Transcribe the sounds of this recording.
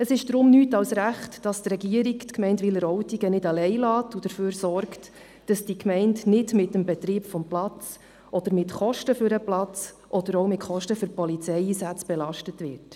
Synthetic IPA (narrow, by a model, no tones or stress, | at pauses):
əsɪʃd̪̥ɾʊmnyːtɑwsɾæχtd̥ɑstrɛɡiəɾiktkmɛɪntʋɪlːəɾɔwtiɡənɪdɑlɛɪlɑːtud̥əɾføːɾsɔrkt | d̥ɑsd̥ikmɛɪndnɪdmɪtəmbɛt̪ɾiːpfɔmplɑt͡s | ʔɔd̥̪əɾmɪtχɔʃtəfʏɾəplɑt͡s | ʔɔd̪əɾɔwmɪtχɔʃtəfʏɾpɔlit͡sɛjiːsæt͡sb̥ɛlɑʃtətvɪ̰ːɾt